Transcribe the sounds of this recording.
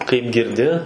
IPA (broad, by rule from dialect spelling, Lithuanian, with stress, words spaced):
kɐɪp ɡʲɪrʲˈdʲɪ